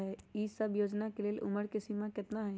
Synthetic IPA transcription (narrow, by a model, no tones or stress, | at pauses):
ɦɛiːsəbjoːd͡ʒnakelelʔʊ̰məɾkɪsimakɪt̪naɦɛ